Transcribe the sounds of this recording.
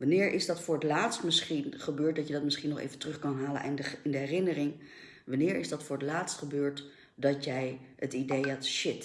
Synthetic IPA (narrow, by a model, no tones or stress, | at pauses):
ʋɑnɪːɹʔɪzdɑtfʊːɹətlaːtstmɪsχinχəbøːɹt̚dɑtjədɑtmɪsχinːɔχḛjvəntrɵχkɑnɦaːlə̰nʔɛnəɪndəɦɛrɪnərɪŋ | ʋɑnɪːɹɪzdɑtfʊːɹɦətlaːtstχəbøːɹt | dɑtjɛj | ətidejɛtʃɪt